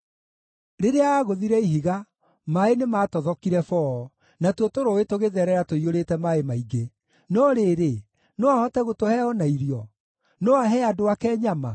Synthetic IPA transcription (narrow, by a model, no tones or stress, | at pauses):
ɾeɾeaaɣoðiɾɛiɦiɣa | maenemaːtɔðɔkiɾɛfɔː | natotoɾoetoɣeðɛɾɛɾatoioɾetɛmaemaiɡe | nɔɾeːɾe | nɔahɔtɛɣotohɛɔnaiɾjɔ | nɔaɦɛadoakɛɲama̰